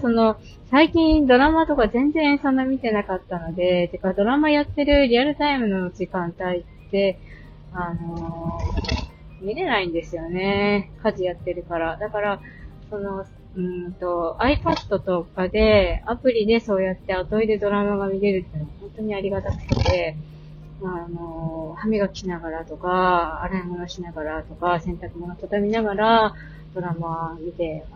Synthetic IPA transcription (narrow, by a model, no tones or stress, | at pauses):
so̞no̞ | saikʲĩnd̪o̞ɾamat̪o̞kazẽ̞nd͡zẽsõ̞nːamʲit̪e̞nakat̪ːano̞d̪e̞t̪ekːad̪o̞ɾamajat̪ːe̞ɾɯ̟ɾʲiaɾɯ̟t̪aimɯ̟no̞d͡ʑikãnt̪ait̪ːe̞ | ano̞ | mʲiɾe̞naĩnd̪e̞sɨjo̞ne̞kaʑijat̪ːe̞ɾɯ̟kaɾad̪akaɾa | so̞no̞ | ɯ̟̃ːt̪o̞aipad̪ːo̞t̪o̞kad̪e̞apɯ̟ɾʲid̪e̞so̞ːjat̪ːe̞at̪o̞id̪e̞d̪o̞ɾamamamʲiɾe̞ɾɯ̟t̪ːenoahõ̞nt̪o̞ɲ̟iaɾʲiɡat̪akɯ̟̥t̪et̪e̞ | maːno̞hamʲiɡakʲinaɡaɾat̪o̞kaːɾaimo̞no̞ɕinaɡaɾat̪o̞kasẽ̞nt̪akɯ̟moɡat̪od̪amʲinaɡaɾa | d̪̥o̞ɾamamʲit̪e̞